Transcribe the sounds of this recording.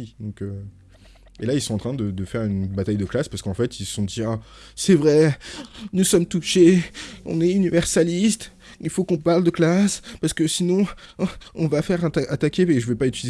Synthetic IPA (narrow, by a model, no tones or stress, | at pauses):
id̪ɔ̃kø | elailsɔ̃ɑ̃t̪χɛ̃d̪əd̪əfɛʁynbat̪ajd̪əklaspaʁsə̥kɑ̃fɛt̪ilsɔ̃d̪ia | sɛvʁɛ | nusɔmt̪uʃeɔ̰̃nɛynivɛʁsalist̪ | ilfokɔ̃paʁld̪əklaspaʁsə̥kəsinɔ̃ | ɔ̃vafɛʁãt̪aat̪akʲeeʒəvɛpait̪yliz